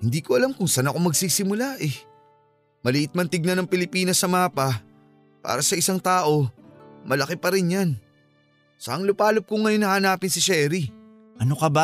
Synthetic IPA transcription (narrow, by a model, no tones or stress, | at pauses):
hɪnd̪iːkoʔɐlamkʊŋsanɐko̞mɐɡsiːsɪmʊlaʔɛ | mɐliʔɪt̪̚mɐnt̪ɪɡ̚nɐnɐŋpɪlɪpiːnɐsɐmaːpɐ | pa̰ːɾɐsɐʔɪsaŋt̪aːʔo̞mɐlɐkɪpɐɾɪnjan | sɐ̰ʔɐŋlʊpaːlop̚kʊŋːɐjonɐhanaːpɪnsɪʃɛːɾi | ʔɐnokɐba